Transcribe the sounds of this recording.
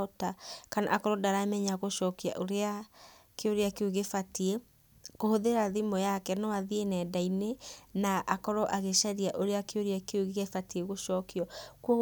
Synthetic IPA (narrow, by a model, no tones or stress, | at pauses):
otakana̰ʔakɔɾɔdaɾamɛɲaɣoʃɔːkia̰ʔoɾeakeoɾeakeoɣefatie | kohoðeɾaðimɔjakɛnɔaðienɛːdainenaʔakɔɾɔʔaɣeʃaɾiaʔoɾeakeoɾeakeoɣeɣefatieɣoʃɔːkiɔko